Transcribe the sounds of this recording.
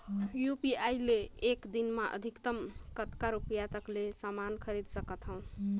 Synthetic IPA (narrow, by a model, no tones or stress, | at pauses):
jupiajleːkd̪inmaʔə̰d̪ʱikt̪əmkət̪kaɾupjat̪əklesamankʰəɾid̪səkət̪ɦəw̃